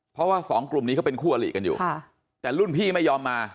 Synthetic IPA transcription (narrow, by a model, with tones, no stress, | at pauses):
pʰɾɔ˦˥waː˥˩fɔː˩˦ŋklu˨˩mniː˦˥ka˦˥pe˧nkʰuː˥˩ʔa˧lḭː˨˩ka˧njṵː˨˩a˥˩ | t̪ɛː˨˩lu˥˩npʰiː˥˩ma˥˩jːɔː˧mːaː˧